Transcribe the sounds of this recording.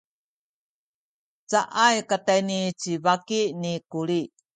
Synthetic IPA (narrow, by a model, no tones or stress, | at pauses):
t͡saʔajkatajnit͡sivakinikuɾi